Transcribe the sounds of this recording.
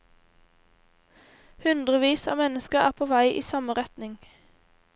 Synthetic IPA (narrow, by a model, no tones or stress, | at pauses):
hʉnd̪ʁəʋiːsɑ̰ːmɛnəskəʁæ̰ːʁpʰoːʋæɪʔḭːsɑməʁɛt̪nɪŋ